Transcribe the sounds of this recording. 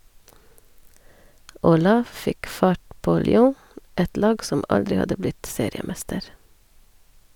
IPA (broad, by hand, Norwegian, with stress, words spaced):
oːˈlɑː ˈfɪk ˈfɑʈ ˈpoː lʏˈoː ˈɛt ˈlɑːɡ ˈsɔm ˈɑldɾɪ ˈhɑdə ˈblɪt ˈseːɾɪəˌmɛstəɾ